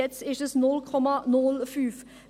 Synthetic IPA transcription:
ɛt̪sɪʃəsnɔlkʰɔmɑnɔlfyːf

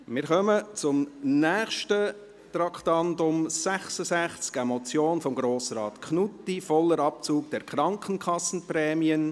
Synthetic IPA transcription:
mɪɾχœmət͡sʊmnɛːχʃtə | t̪ɾɑkχtɑntʊmsæχsəsæχt͡skɛmɔt͡sjoːnfɔmɡɾoːsɾɑːt̪kʰχnutːifɔlːəɾɑp̚t͡suːk̚d̥ɛɾkχɾɑŋkʰənkʰɑsn̩prɛːmiən

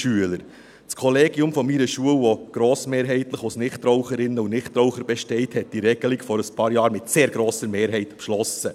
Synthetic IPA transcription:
ʃyələɾ | t͡skʰɔleːɡiʊmfɔmiɾəʃuəlʋɔɡ̥ɾoːsmeːɾɦɛɪtləχɔsnɪχtrɔwχəɾɪnːəʊnɪχtɾɔʊχəɾbɛʃtɛɪthɛt̚d̥iɾɛɡ̥əlɪkfɔɾəspʰɑːɾjɑːɾmɪtseːɾɡ̥ɾoːsəɾmeːɾɦɛɪtpʃlɔsə

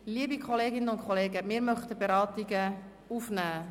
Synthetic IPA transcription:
liəbikʰχɔleːɡɪnəʊntkχɔleːɡəmɪːɾmœχtəbeɾɑːtiɡə | ufnæː

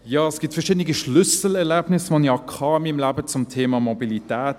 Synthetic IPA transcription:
jɑːɛsɡ̥ɪtfɛɐʃɪːdənɪɡiʃlʏsl̩ɛʁlɛːbnɪsmɑnjɑːkʰɑːmɪmlaːbət͡sʊmtʰeːmɑmobilitɛːt

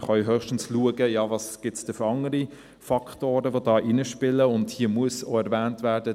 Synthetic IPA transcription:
χɑʏɦœχʃtn̩sluəɡəjɑːvɑːsɡ̥ɪtsd̥ɛfɑŋəɾi | fɑkʰtoːɾəʋodɑːʔɪnəʃpɪləʊndhiːəmuəso̰ɛɾvæːntvæːd̥ə

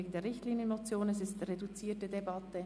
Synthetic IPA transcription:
eɡŋ̩deːɾʁɪçtliːnjənmot͡sjoːnɛsɪstredut͡siːɐtədebɑtə

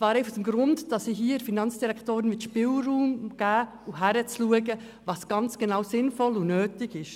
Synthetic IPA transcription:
svɑːɾɛɪfdɛmɡɾʊndd̥ɑsiɦiːfinɑnt͡sd̥iɾɛkʰtoːɾənmɪtʃpɪːlruːmɡ̥æː | uɦæɾət͡sluəɡə | vɑːsɡ̥ɑnt͡sɡ̥ɛnaʊsɪnfɔlunøːtɪɡɪʃ

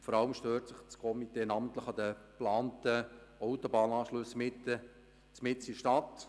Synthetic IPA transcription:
fɔɾɑləmʃtøːɾtsəχt͡skʰɔmiteːnɑːməntləχɑd̪əplɑːntəɔʊtobɑːnɑːʃlɵsmɪtːə | t͡smɪt͡siʃtɑt

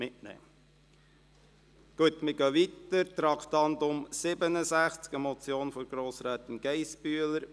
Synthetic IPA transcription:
mɪtnɛ̰ː | ɡ̥uət̪mɪɡœʋit̪əɾt̪ɾɑkt̪ɑnd̪ʊmsɪbənəsæχt͡skəmɔt͡sjoːnfɔɾɡ̥ɾoːsɾæːt̪ɪnɡ̥ɛɪspyələɾ

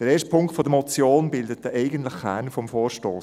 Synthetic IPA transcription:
d̥əɾeːʃtpʰʊŋktfɔdəmɔt͡sjoːnbɪldət̚dəʔɛɪɡəntləχχæːnfɔmfoːɾʃtoːs

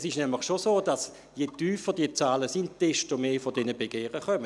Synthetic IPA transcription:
sɪʃnɛmlɪχʃosoːd̥as | jetyːfəd̥iət͡saːləsind̥ɛstomeːfɔdɛnəbeɡ̥eːʁəχœmə

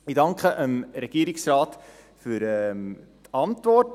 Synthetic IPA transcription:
idɑŋkχəʔəmɾɛɡ̥iːɾɪksrɑːt | fyɾɛ | tɑntvɔɾt

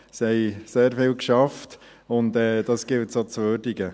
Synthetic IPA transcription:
sɛɪseːɾfɪlkʃɑft | ʊntɛːd̥ɑsɡ̥ɪltsot͡sʋøɾdɪɡə

